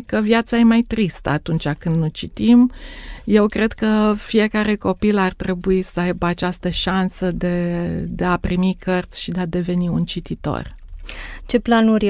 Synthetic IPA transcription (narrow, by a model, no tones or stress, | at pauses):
kəvjat̪saje̞majt̪ɾist̪ə̰at̪unt͡ʃakɨnd̪not͡ʃit̪imje̞wkɾe̞d̪kəfije̞kaɾe̞ko̞pilart̪ɾe̞buisəajbəat͡ʃast̪əʃansəd̪e̞d̪e̞apɾimikʰərt̪sʲʃid̪ead̪e̞ve̞niunt͡ʃit̪it̪o̞̰r | t͡ʃe̞planuɾʲ